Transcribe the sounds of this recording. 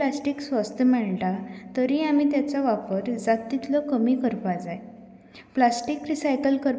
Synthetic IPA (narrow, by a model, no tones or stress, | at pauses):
lasʈiksʋəst̪ʰəmɛɭʈat̪əɾiamit̪jat͡saʋapəɾd͡zat̪ːit̪lɔkəmikəɾpad͡zaj | plasʈikɾisajkəlkəɾ